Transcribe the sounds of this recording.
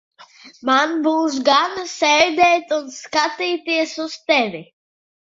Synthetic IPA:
manbuːsɡansɛjd̪ɛːt̪unskat̪iːt̪iɛsust̪ɛvʲi

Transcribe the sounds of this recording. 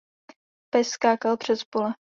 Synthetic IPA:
pɛsskaːkalpr̝̥ɛspolɛ

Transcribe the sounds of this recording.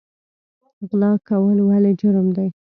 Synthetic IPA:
ɣlɑkawəlwaled͡ʒʊɾmd̪aj

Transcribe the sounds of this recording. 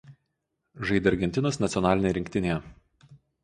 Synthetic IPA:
ʒɐɪd̪ʲɐɾʲɡʲɛnʲt̪ʲɪnoːsnɐt̪sʲjɔnɑːlʲɪnʲejɛɾʲɪŋʲkʲt̪ʲɪnʲejɛ

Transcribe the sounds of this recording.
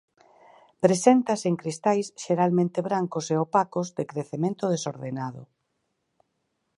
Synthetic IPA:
pɾesent̪aseŋkɾist̪ajsʃeɾalmẽnt̪eβɾaŋkoseopakozd̪ekɾeθemẽnt̪oðeso̰ɾðenaðʊ̰

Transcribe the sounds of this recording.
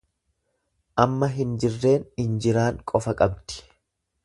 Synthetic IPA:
ʔɐmːɐɦɪnd͡ʒɪrːe̞ːnɪnd͡ʒɪɾaːŋkʼɔfɐkʼɐbt̪ɪ̥

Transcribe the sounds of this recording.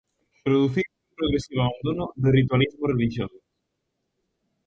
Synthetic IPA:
pɾoðuθiũpɾoɣɾesiβoaβand̪onʊðerit̪walizmoreliʃjoso

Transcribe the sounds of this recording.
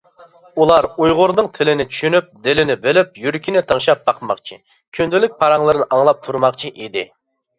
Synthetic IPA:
ulˠɑɾujʁʊɾnɨŋt̪ʰɪlɪnɪt͡ʃʰy̥ʃynyp̚d̪ɪlɪnɪbɪlyp̚jyɾkʲʰinɪt̪ʰəŋʃɑp̚bɑqʰəmɑχt͡ʃʰḭ | kʲʰynd̪ɪlyk̚ʲpʰɑɾɑŋlˠɨɾɨnɨʔɑŋlˠɑp̚t̪ʰuɾmɑqt͡ʃʰiʔid̪ɪ

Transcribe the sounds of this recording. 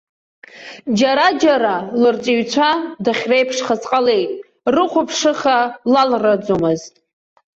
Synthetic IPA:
d͡ʒaɾad͡ʒaɾalɨrt͡sʼiɥt͡ʃʷʰadaχʲrejpʰʂχat͡sʼqʼale̞jtʼ | rɨqʷʰʊpʰʂɨχalalrad͡zomɨztʼ

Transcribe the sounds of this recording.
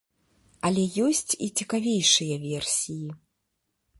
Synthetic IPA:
ɐlʲɛjɔsʲt͡sʲit͡sʲikavʲejʂɨjɐvʲɛrsʲiji

